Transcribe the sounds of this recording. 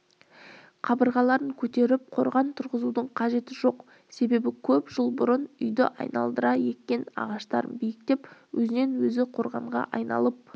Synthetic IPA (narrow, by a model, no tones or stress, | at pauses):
qʰɑbəɾʁɑlˠɑɾəŋkʲʰɵt̪e̞ɾɪp̚qʰo̞̰ɾʁɑnt̪ʰʊɾʁəzud̪əɴqʰɑʒe̞t̪ɪʒo̞q | se̞be̞bɪkʲʰɵpʒ̥əlˠbʊɾənʏjd̪ɪʔɑ̰jnɑ̰lˠd̪əɾɑje̞t̪̚kʲːe̞nɑ̰ʁɑʃt̪ɑɾə̰nbijɪk̚t̪e̞pwɵzɪne̞nwɵzɪqʰo̞ɾʁɑ̰ɴʁɑ̰ʔɑjnɑ̰lˠəp̚